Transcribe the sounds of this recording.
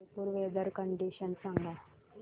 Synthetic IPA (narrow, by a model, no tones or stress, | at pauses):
puɾʋeːd̪əɾkəɳɖiʃənsãŋɡaː